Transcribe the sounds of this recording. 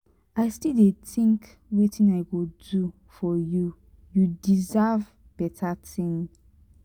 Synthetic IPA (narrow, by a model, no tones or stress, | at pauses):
aɪstidetĩŋk | wetʰĩnaɪɡodu | fɔju | judizav | b̥ɛtʰatĩn